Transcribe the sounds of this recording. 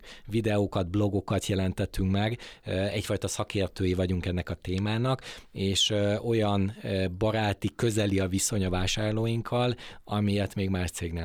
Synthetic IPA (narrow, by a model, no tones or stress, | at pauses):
vid̪ɛokɒd̪̚blo̞ɡo̞kɒt̪jɛlɛnt̪ɛt̪ːyŋkmɛɡɛcfɒjt̪ɒsɒkeːrt̪øːjivɒɟuŋkɛnːɛkɒt̪eːmaːnɒkeːʃo̞jɒnbɒɾaːt̪ikø̞zɛliɒviso̞ɲɒvaːʃaːrloːjiŋkʰːɒlɒmijɛt̪meːɡmaːʃt̪seːɡneː